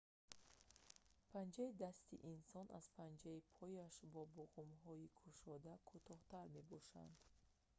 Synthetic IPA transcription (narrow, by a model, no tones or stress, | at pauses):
pʰand͡ʒaid̪ast̪ḭʔinsɔna̰z̥pʰand͡ʒaipʰɔjaʃbɔbuʁumɦɔikʰuʃɔd̪akʰut̪ʰɔht̪aɾme̞bɔʃa̰nd̪̥